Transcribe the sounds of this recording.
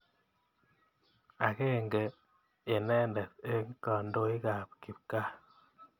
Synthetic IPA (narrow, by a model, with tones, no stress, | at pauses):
a˨ke˦˨ŋɡeː˨ | nɛ˦ndɛ˨te˦ŋ˦ka˨ndo˦i˦ka˨p̚ki˨p̚ka˦